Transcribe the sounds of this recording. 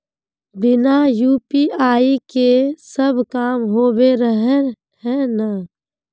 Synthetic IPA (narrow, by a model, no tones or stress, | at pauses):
bɪnajuːpiaːikesəbkaːmɦoːbeɾəɦe | ɦɛ̃ːna